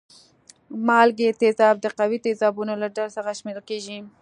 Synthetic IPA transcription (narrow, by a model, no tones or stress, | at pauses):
mɑlɡet̪ezɑb̚d̪əqawit̪ezɑbunolaɖalsəxaʃmeɾkeʒi